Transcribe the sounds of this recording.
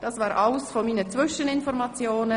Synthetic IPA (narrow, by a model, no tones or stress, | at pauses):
d̥ɑːsvæːɾʔɑʊsfɔmiːnət͡svʏʃənɪnfɔɾmɑt͡sjoːnə